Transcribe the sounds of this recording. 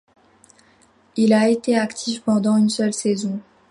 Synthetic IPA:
ilaet̪eakt̪ʰifpɑ̃d̪ɑ̃ynsœlsezɔ̃

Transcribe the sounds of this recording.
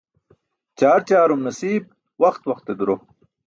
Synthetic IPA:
t͡ɕaːɾt͡ɕaːɾumnɐsiːb̚ | wɐxt̪wɐxt̪ed̪uɾo

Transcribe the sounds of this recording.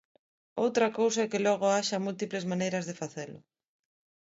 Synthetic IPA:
owt̪ɾɐkowsaɛkɪlɔɣoaʃamult̪iplezmanejɾɐzðefaθelʊ̰

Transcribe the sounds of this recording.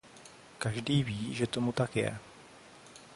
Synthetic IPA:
kaʒdiːviːʒɛt̪o̞mut̪akjɛ̰

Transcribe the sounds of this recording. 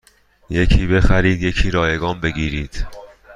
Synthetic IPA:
je̞cʰiːbe̞xæɾiːd̪je̞cʰiːɾɒːjeɡɒːnbe̞ɡiːɾiːd̪̥

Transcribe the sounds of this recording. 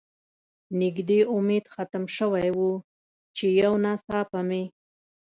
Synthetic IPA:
nɪɡd̪eʊmed̪xat̪əmʃəwajwu | t͡ʃejawnasɑpame

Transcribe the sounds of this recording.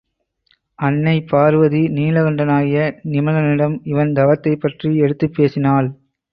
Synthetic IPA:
ɐnːɐɪpːaːɾɯʋɐðiniːlɐɣɐɳɖɐnaːɣɪjɐnɪmɐlɐnɪɽɐmɪʋɐnd̪ɐʋɐt̪ːɐɪpːɐʈriɛɽɯt̪ːɯpːeːsɪnaːl

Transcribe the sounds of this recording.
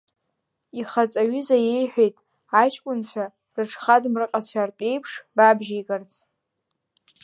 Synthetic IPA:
iχat͡sʼaɥʏzajejħʷᶣejtʼ | at͡ʃʰʼkʷʼʊnt͡ɕʷʰa | rɨʈ͡ʂʰχadmrɨqʼat͡ɕʷʰarpʼe̞jpʰʂbabʒijɡʼart͡sʰʼ

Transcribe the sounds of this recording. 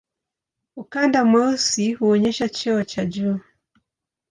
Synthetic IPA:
ukandamɔsihuɔɲɛʃat͡ʃɛɔt͡ʃad͡ʒuː

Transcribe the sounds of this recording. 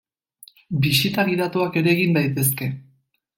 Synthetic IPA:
bisit̪aɣiɾat̪oake̞ɾe̞ːɣimbajt̪e̞s̬ke̞

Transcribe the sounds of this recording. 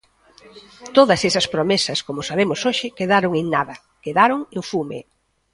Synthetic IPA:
t̪oðɐsesɐspɾomesɐskomʊsaβemʊsoʃɪkeðaɾoŋeŋnaðɐ | keðaɾoŋeɱfumḛ

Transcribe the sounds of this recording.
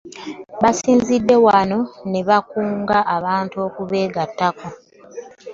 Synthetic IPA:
βasiːnzidːe̞wano̞ne̞βakuːŋɡaʔaβaːntuo̞ːkuβe̞ːɡatːako

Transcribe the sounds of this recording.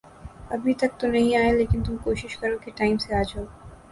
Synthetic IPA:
əbʱit̪ak̚t̪onejaelekint̪ukowʃiʃkaɾokeʈajmsead͡ʑʰʱo

